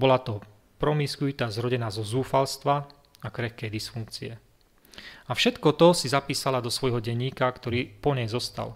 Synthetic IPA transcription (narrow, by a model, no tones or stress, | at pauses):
bɔlat̪ɔ | pɾɔmiskujuːt̪aːzɾɔɟɛnaːzɔzuːfalst̪ʋa | akɾɛxkɛjd̪isfuŋk̚t͡siɛ | afʃɛt̪kɔt̪ɔsizapiːsalad̪ɔsʋɔjɦɔɟɛɲiːkakt̪ɔɾiːpɔɲɛjzɔst̪a̰l